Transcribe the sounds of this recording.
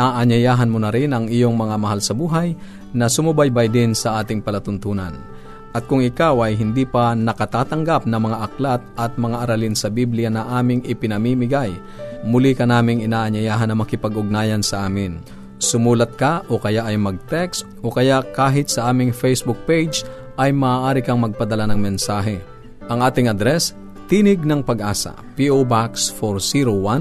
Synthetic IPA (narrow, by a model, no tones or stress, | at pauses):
aʔɐɲɐjaːɦɐnmonɐɾɪnɐŋɪjoŋmɐŋamɐɦalsɐbuːɦaj | nɐsʊmʊbajbajd̪ɪnsɐʔaːt̪ɪŋpɐlɐt̪ʊnt̪uːna̰n | ʔɐt̪̚kʊŋɪkawʔɐjɦɪnd̪iːpɐnɐkɐt̪aːt̪ɐŋɡap̚nɐmɐŋaʔɐklat̪̚ʔɐt̪̚mɐŋaʔɐɾalɪnsɐbiblɪjanɐŋʔaːmɪŋʔɪpɪnɐmimɪɡaj | mʊlikɐnaːmɪŋɪnaːʔɐɲɐjaːɦɐnːɐmɐkɪpɐɡʊɡ̚naːjɐnsɐʔaːmɪn | sʊmuːlɐt̪̚kɐʔokɐjaʔɐjmɐɡ̚t̪ɛksʔokɐjaʔkaːɦɪt̪̚sɐʔaːmɪŋfɛjsbʊk̚pejd͡ʒ | ʔɐjmɐaːʔaːɾɪkɐŋmɐɡ̚pɐd̪ɐlanɐŋmɛnsaːɦɛ | ʔɐŋʔaːt̪ɪŋʔɐd̪ɾɛs | t̪inɪɡ̚nɐŋpɐɡʔaːsɐ̰piʔobaksfoɾsiɾowan